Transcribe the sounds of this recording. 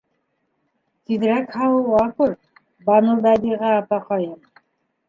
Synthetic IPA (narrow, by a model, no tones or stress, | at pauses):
t̪iðɾækhɑwɤwɑkuɾ | bɑnɤld̪ɑd̪iʁɑːpɑqɑjɤm